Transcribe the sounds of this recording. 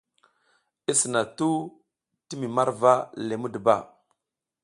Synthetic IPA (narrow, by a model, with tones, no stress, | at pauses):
i˦sə˨na˨tu˦ | ti˦mi˨ma˦ɾva˦le˨mu˦dba˦˨